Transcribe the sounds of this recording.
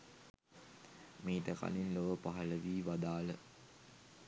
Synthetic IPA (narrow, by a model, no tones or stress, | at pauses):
miːt̪əka̰linloʋəpaɦələʋiːʋad̪aːlə